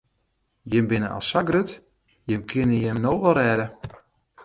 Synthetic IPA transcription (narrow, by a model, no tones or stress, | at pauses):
jɪmbɪnə̰ʔa̰saɡrøt | jɪmkʰɪnəjɛmnowʋɛlˠrɛːdə